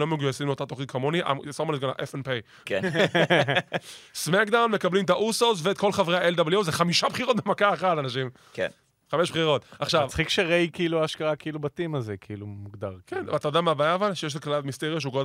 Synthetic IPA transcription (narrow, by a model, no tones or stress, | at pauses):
lomeɡujasimot̪at̪oχikamoniʔa̰msomaneɡala̰ʔefenpej | k | smakd̪awnme̞kablimt̪aʔusosveːt̪̚ko̞lχavʁeaeld̪abljuzeχamiʃapχiʁot̪̚bemakaeχatanaʃim | k | χameʃpχiʁo̞t̪aχʃavt͡sχikʃeʁejkiiluaːʃkaakiilubat̪imazekʰiilumuɡd̪aʁkenv̰at̪ajod̪amabajavalʃejʃ̬zaklalatmist̪eʁiaʃ̬euɡod̪